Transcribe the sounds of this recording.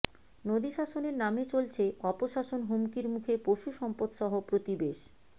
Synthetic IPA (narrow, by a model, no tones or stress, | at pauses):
nod̪iʃaʃoneɾnamet͡ɕolt͡ɕʰeɔpoʃaʃonɦomkiɾmukʰepoʃuʃɔmpod̪ʃɔɦopɾot̪ibeʃ